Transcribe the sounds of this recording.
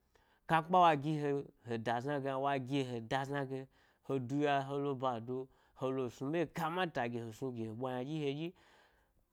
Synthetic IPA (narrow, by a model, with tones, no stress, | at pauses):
ka˧k͡pa˦wa˧ɡʲi˧ɦe˧ho˨da˨zna˧ɡe˧a˧wa˧ɡʲe˧˨ɦe˨da˧za˧ɡe˧ | ho˧du˧ja˧ɦo˧lo˧ba˨do˧ | ho˧lo˧˨su˧be˦˨ka˧mã˦ta˨ɡʲe˨ho˨su˧ɡʲe˨ho˨ɓʷa˧ɲa˧d͡ʒi˦he˧d͡ʒi˦